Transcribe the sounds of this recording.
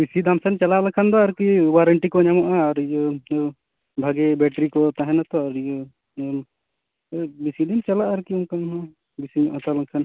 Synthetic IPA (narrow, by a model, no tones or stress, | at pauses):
bisid̪amsɛnt͡ʃalalɔkʰand̪ɔaɾkiwaɾəɳʈikɔɲamɔʔaːɾijɔ | bʱaɡɛbɛʈɾikɔt̪aɦɛnat̪ɔaɾijɔ | bisid̪int͡ʃalaʔaɾkiɔmkannɔ | bisiɲɔʔɔt̪alakʰan